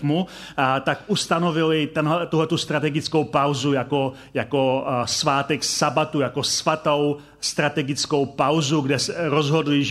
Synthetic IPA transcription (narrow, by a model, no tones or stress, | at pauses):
mu | t̪akʔust̪ano̞vɪlɪt̪ɛnɦɛt̪uɦlɛt̪ust̪ɾat̪ɛɡɪt͡sko̞wpawzujako̞ | jako̞svaːt̪ɛksabat̪ujako̞svat̪o̞w | st̪ɾat̪ɛɡɪt͡sko̞wpawzuɡdɛsɛɾozɦo̞dlɪʒ